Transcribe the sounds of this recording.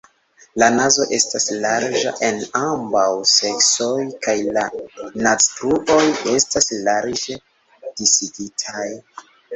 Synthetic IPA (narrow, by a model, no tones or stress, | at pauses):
lanazo̞ʔe̞staslaɾd͡ʒa̰ʔe̞nambawse̞kso̞jkajlanat͡stɾuʔo̞je̞staslaɾd͡ʒe | d̥isiɡitʰaj